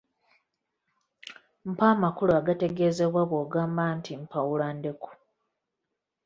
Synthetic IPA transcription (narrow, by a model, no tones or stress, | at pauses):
m̩paːmakuluaɡate̞ɡe̞ze̞βwaβoːɡaːmbantʰim̩pʰawulande̞ku̥